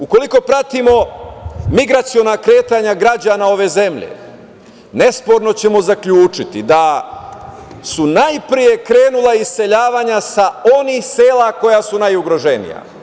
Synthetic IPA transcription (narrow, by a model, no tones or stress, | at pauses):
uko̞liko̞pɾat̪imo̞ | miɡɾat̪sijo̞nakɾe̞ːt̪aɲaɡɾad͡ʑaːnao̞ʋe̞ze̞mʎe̞̰ | ne̞spo̞ɾno̞t͡ɕe̞mo̞zakʎuːt͡ʂit̪id̪a | sunajpɾije̞kɾe̞ːnulˠaisse̞ʎaːʋaɲasao̞nixse̞ːlako̞jasunajuɡɾo̞ʒe̞nḭja̰